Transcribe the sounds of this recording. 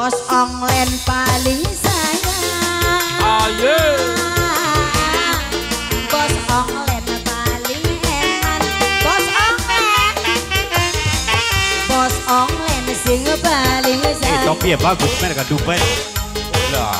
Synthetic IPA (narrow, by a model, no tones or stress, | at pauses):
ɔsɔŋlɛnpalɪŋsaja | ɔje | bɔsɔŋlɛnpalɪŋhɛmanbɔsɔŋlɛn | bɔsɔŋlɛnsɪŋpalɪŋsat̪ɔpiabaɡut̪mɛɾkadupa | la̰